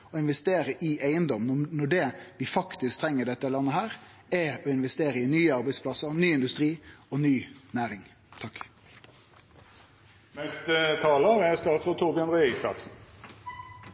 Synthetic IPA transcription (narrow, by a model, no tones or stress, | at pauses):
ɔɪnʋɛst̪eːɾəʔɪʔæɪənd̪ɔmnnɔɖɛʋɪfɑkt̪ɪsk̚t̪ʰɾɛŋːəɖɛt̪ːəlɑnːəɦhæːɾ | ɛɾɔɪnʋɛst̪eːɾəɪnyːəɑʁbæɪspʰlɑsəɾnyːɪnd̪ʉst̪ɾiːɔnyːnæːɾɪŋ | t̪ʰɑkː | nɛst̪ət̪ʰɑːləɑʋæsk̪ɑːʁt̪fɔt̪ʰʊʁbɪɑnʁɛɛsɑ̰ksn̩